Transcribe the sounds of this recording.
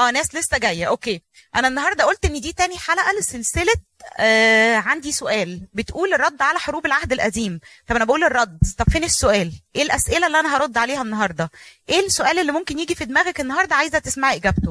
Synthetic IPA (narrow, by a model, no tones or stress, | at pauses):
ʔæːnæːslesːæɡæjːæʔokeː | ʔænæenːɑɦɑɾˤd̪ˤɑʔolt̪ʔenːid̪iːt̪æːniħalæʔæleselselet̪ː | ʕand̪isoʔæːlbet̪ʔuːlerˤːɑd̪ːʕalæħoɾuːbelʕahd̪elʔæd̪iːmt̪ˤɑbʔænæbæʔuːlerˤːɑd̪t̪ˤɑbfeːnisːoʔæːlʔeːlʔæsʔelælːiʔænæɦɑɾˤod̪ːʕaleːhænːɑɦɑɾˤd̪ˤɑʔeːlsːoʔæːlelːimomkenjiːɡifid̪mæːɣækenːɑɦɑɾˤd̪ˤɑʕaːjezæt̪esmaʕiʔeɡæbt̪o